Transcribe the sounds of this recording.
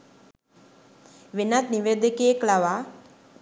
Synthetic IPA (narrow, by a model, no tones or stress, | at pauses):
ʋenat̪niʋed̪əkejeklaʋaː